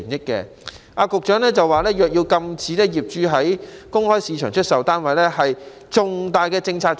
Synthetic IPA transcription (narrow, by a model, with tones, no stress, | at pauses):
njɪ˥kːɛ̰ː˧ | ʔaː˧kʊ˨k̚t͡ʃœː˨˥ŋlɛː˥t͡sɐ˨waː˨˩lɛː˥jœː˨k̚jiː˧wkɐ˧mt͡siː˨˥lɛː˥jiː˨˩p̚t͡ʃyː˨˧ɦɐ˨˥jkʊ˥ŋhɔː˥jsiː˨˧t͡ʃʰœː˨˩ŋt͡ʃʰɵ˥t̚sɐ˨wt̪aː˥nwɐ˨jlɛː˥hɐ˨j | t͡sʊ˨ŋt̪aː˨jkɛː˧t͡sɪ˧ŋt͡sʰaː˧k̚